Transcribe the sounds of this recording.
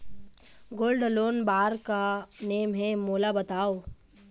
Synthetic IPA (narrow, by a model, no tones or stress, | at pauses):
ɡoːlɖloːnbaːɾkaneːmɦẽmoːlabɐt̪aːoː